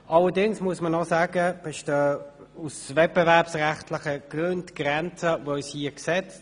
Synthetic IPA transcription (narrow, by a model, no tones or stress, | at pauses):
ʔɑlədɪŋsmuəsmənɔsaːɡəb̥ɪʃtə | usvɛt̚b̥evæɐpsʁæχtlɪχəɡ̥ʁøndɡ̥ʁɛnt͡səvoshiəksɛt͡s